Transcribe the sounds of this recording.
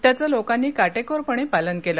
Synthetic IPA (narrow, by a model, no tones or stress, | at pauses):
t̪jat͡salokãnːiːkaʈekoɾpəɳ̃epalənkelə